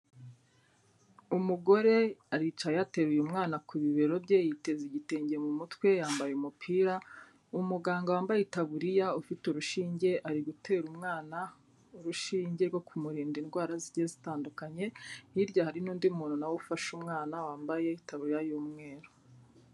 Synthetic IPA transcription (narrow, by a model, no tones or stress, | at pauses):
umuɡo̞ɾe̞aɾit͡ʃajeate̞βujumŋaːnakuβiβe̞ɾo̞bɟejite̞ziɟiteːɲɟemumutkwe̞jaːmbajeumupʰiːɾa | umuɡaːŋɡawaːmbajetaβuɾijaufituɾuʃiːɲɟe̞ʔaɾiɡutʰe̞ːɾumŋaːna | uɾuʃiːɲɟe̞ɾɡwo̞kʰumuɾiːndinɡwaːɾaziɾɟezitaːndukaɲe̞hiɾɟahaɾinuːndimuːnunawufaʃumŋaːnawaːmbaje̞itaβuɾijajuːmŋe̞ːɾo